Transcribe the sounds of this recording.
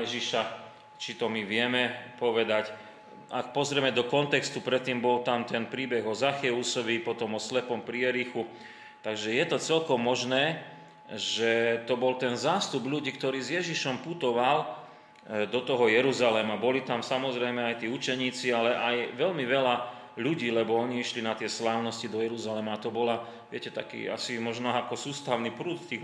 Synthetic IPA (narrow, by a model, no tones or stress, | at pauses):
ɛʒiʃa | t͡ʃit̪ɔmiʋɪɛmɛpɔʋɛd̪ac | a̰k̚pɔzɾɛɛmɛd̪ɔkɔnt̪ɛkst̪upɾɛt̪ːiːmbɔlt̪amt̪ɛnpɾiːbɛɣɔzaxɛusɔʋipɔt̪ɔmɔslɛpɔmpɾiɛɾixu | t̪aɡʒɛjɛt̪ɔt͡sɛlkɔmːɔʒnɛː | ʒɛt̪ɔbɔlt̪ɛnzaːst̪ubʎuɟiːkt̪ɔɾiːzjɛʒiʃɔmput̪ɔʋal | d̪ɔt̪ɔɦɔjɛɾuzalɛmabɔlit̪amsamɔzɾɛjmɛajt̪iːut͡ʃɛɲiːt͡sialɛʔajʋɛlmiʋɛla | ʎuɟiːlɛbɔɔɲiiʃlinat̪ɪɛslaːʊnɔscid̪ɔjɛɾuzalɛmaːt̪ɔbɔla | ʋɪɛcɛt̪a̰kḭːa̰simɔʒnaakɔsuːst̪aʊnipɾuːt̪t̪iː